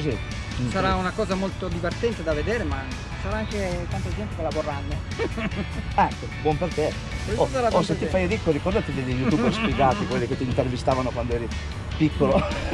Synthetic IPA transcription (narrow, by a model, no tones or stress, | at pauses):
si | saɾaunakɔːzamolt̪od̪ivert̪ɛnt̪ed̪aved̪eːɾema | saɾaaŋk̟et̪ant̪ed͡ʒɛnt̪ikelaporːanːo | aŋkːebwɔmpert̪e | keosaɾaoset̪ːifajad̪ikːoɾikɔrd̪at̪id̪ɛlijut̪ubespjeɡaːt̪ikwelːiket̪ːiːnt̪ervist̪aːvanokwand̪oɛːɾi | pikːolo